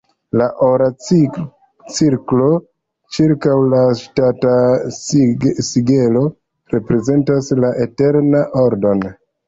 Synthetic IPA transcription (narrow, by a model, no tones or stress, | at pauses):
laʔoɾat͡s | t͡siɾklo | t͡ʃiɾkawlaʃtata | siɡelo̞ | ɾe̞pɾe̞ze̞ntaslaʔete̞ɾnaʔoɾdo̞n